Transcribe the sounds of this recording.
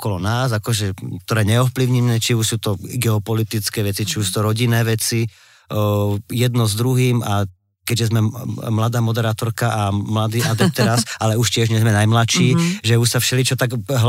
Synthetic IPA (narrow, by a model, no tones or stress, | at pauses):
kɔlɔnaːzakɔʒɛkt̪ɔɾɛːɲɛɔfpliʊɲinɛːt͡ʃiuʃsuːt̪ɔɡɛɔpɔlit̪it͡skɛːʋɛt͡sit͡ʃiuʃs̬uːt̪ɔɾɔɟinɛːʋɛt͡si | jɛd̪nɔzd̪ɾuɦiːma | kɛɟʒɛzmɛmlad̪aːmɔd̪ɛɾaːt̪ɔɾkaʔamlad̪iːʔad̪ɛt̪ɛɾasʔalɛuʃcɪɛʒɲɛzmɛnajmlaʃiːʒɛuʃsafʃɛlit͡ʃɔt̪aɡɦ